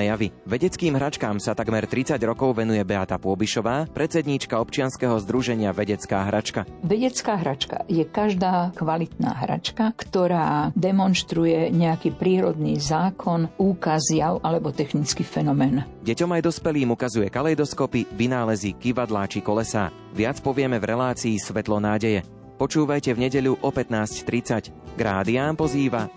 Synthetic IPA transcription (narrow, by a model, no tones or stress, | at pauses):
jaʋiʋɛɟɛt͡skiːmɦɾat͡ʃkaːmsat̪aɡmɛɾt̪ɾit͡saɟɾɔkɔʊʋɛnujɛbɛat̪apʊɔbiʃɔʋaːpɾɛtt͡sɛd̪ɲiːt͡ʃkaɔpt͡ʃɪanskɛɦɔzd̪ɾuʒɛɲɪaʋɛɟɛt͡skaːɦɾat͡ʃkaʋɛɟɛt͡skaːɦɾat͡ʃka̰jɛkaʒd̪aːkʋalit̪na̰ːɦɾa̰t͡ʃkakt̪ɔɾaːd̪ɛmɔnʃt̪ɾujɛɲɛakiːpɾiːɾɔd̪niːzaːkʰɔnuːkazjaʊʔalɛbɔt̪ɛxnit͡skiːfɛnɔmɛːn | ɟɛcɔmajd̪ɔspɛliːmukazujɛkalɛjd̪ɔskɔpiʋinaːlɛzikiʋad̪laːt͡ʃikɔlɛsa̰ː | ʋɪat͡spɔʋɪɛmɛvɾɛlaːt͡siːsʋɛt̪lɔnaːɟɛjɛ | pɔt͡ʃuːʋajcɛvɲɛɟɛʎuʔɔpɛt̪naːsct̪ɾit͡sac | ɡɾaːd̪iaːnpɔziːʋa